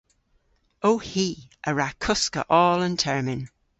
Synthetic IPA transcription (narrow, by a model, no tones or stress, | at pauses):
owhiːʔəɹakʰʊskə̰ʔɔːlə̃ntʰɛɹmɪ̃n